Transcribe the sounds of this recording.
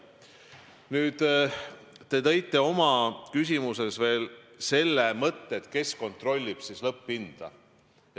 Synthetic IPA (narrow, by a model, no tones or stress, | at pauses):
nyːd̪̥ | t̪e̞t̪e̞jt̪ːˑe̞o̞mɑkysʲimuse̞sve̞ːl | se̞lːe̞mɤt̪ːeːt̪ke̞sko̞nt̪ro̞lʲːib̥sislɤpːind̪̥ɑ̰